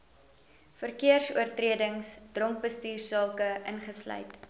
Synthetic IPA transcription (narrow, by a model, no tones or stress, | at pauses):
fərkiərsuərtriədəŋsd̥rɔŋk̚bəstiːrsɑːkəʔənχəslœ̰jt